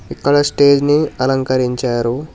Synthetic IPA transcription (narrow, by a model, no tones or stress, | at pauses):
ikːɐɽɐsʈe̞ːd͡ʒniɐlɐŋkɐɾiɲt͡ʃaːɾu